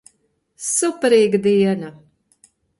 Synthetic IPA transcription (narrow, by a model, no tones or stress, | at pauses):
supɾiːɡd̪iɛna